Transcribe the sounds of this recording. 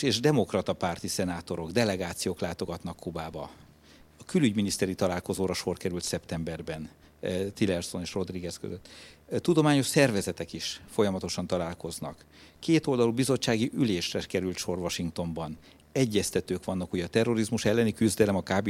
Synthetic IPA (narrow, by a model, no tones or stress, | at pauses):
eːʒd̪ɛmo̞krɒt̪ɒpart̪isɛnaːt̪o̞ɾo̞ɡd̪ɛlɛɡaːt̪sijoːklaːt̪o̞ɡɒt̪nɒkʰːubaːbɒ | ɒkylyɟminist̪ɛɾit̪ɒlaːlko̞zoːɾɒʃo̞rkɛɾylt̪sɛpt̪ɛmbɛrbɛn | t̪ilɛrso̞neːʃro̞d̪riɡɛskø̰zøt̪ːud̪o̞maːɲo̞ʃsɛrvɛzɛt̪ɛkiʃfo̞jɒmɒt̪o̞ʃɒnt̪ɒlaːlko̞znɒ̰kː | eːt̪o̞ld̪ɒlubizo̞t͡ʃːaːɡiʔyleːʃrɛkɛɾylt̪ʃo̞rvɒʃiŋkt̪o̞mbɒn | ɛɟːɛst̪ɛt̪øːkʋɒnːɒkuɟɒt̪ɛrːo̞ɾizmuʃɛlːɛnikyzd̪ɛlɛmɒkaːbi